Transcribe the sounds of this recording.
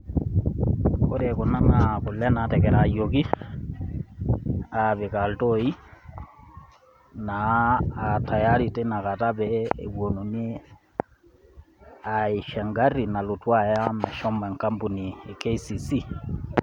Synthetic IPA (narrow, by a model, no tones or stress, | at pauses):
koɾekunanakulɛnatɛkɛɾajoki | aβekaltoi | naː | tajaɾitenakataβɛḛβwonone | aiʃɛŋɡarinalutwajamɛʃɔmɛŋkambuniekeisisi